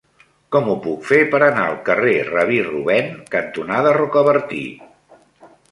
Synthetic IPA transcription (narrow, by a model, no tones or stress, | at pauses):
kɔmupukfepəɾənaəlˠkərerəβ̞iruβɛnkənt̪unaðərəkəβəɾt̪ḭ